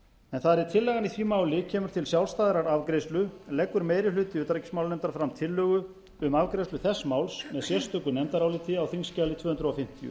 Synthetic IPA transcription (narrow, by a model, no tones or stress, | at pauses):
ɛnθaðɾit̪ʰɪlːɛːɣaniθviːmaːwlɪcʰɛːmʏɾ̥t̪ʰɪlsjawlst̪aːðɪɾaɾavkɾejst̪lʏlɛkːʏɾmeːjɾɪlʏːt̪ɪʏːt̪aɾicɪ̥smawlnɛmt̪aɾfɾamt̪ʰɪlːœːɣʏ | ʏmavkɾejslʏθɛsːmaːwlsmɛðsjɛr̥st̪œkʏnɛmt̪aɾawlɪt̪ʰɪawθiŋscaːlɪt̪ʰvœːhʏnd̪ɾʏɔfɪm̥t̪ijʏ̰